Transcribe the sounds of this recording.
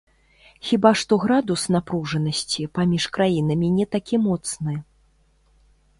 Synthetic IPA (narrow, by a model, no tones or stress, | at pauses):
xʲibaʂt̪ɔɣɾad̪usnapɾuʐɐnɐsʲt͡sʲipamʲiʂkɾajinɐmʲinʲɛt̪akʲimɔt̪snɨ